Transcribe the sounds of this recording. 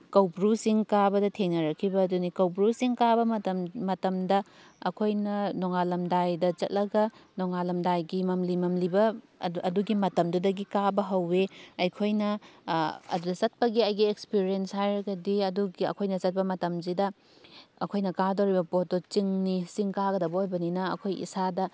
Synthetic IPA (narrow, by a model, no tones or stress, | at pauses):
kɐwpɾusiŋkabɐdɐtʰeŋnɐɾɐkʰːibɐːdunikɐwpɾusiŋkabɐɐtɐmmɐtɐmdɐ | ɐkʰojnɐnoŋalɐmdajdɐt͡ʃɐt̚lɐɡɐnoŋalɐmdajɡimɐmlimɐmlibɐ | ɐduɡimɐtɐmdudɐɡikabɐɦɐwːeɐjkʰojnɐ | ɐ̰dudɐt͡ʃɐt̚pɐɡiɐjɡiekspiɾienshajɾɐɡɐdiɐduɡiɐ̰kʰojnɐt͡ʃɐt̚pɐmɐtɐmzidɐ | ɐkʰojnɐkadowɾibɐpotot͡ʃiŋnisiŋkaɡɐdɐbɐojbɐninɐɐ̰kʰojḭsadɐ